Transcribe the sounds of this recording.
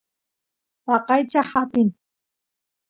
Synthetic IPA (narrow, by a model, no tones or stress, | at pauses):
wɑqɑjt͡ʃahapɪn